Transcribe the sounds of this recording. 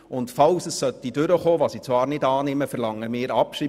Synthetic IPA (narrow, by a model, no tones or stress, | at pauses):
ʊntfɑlsəssœt̪ːid̥ʏɾəχoːʋɑsit͡sʋɑːɾnɪdɑːnɪməfɛɾlɑŋːəmɪːɾɑpʃi